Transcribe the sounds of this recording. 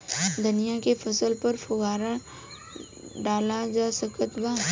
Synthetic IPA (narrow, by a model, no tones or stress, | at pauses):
d̪ʊnɪjakefʰɐsəlpɐɾfʰʊɡaːɾa | ɖaːlad͡ʒaːsəkət̪baː